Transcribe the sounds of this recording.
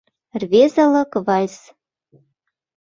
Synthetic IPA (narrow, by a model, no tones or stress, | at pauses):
rβezə̆lɤ̆kvɑlʲs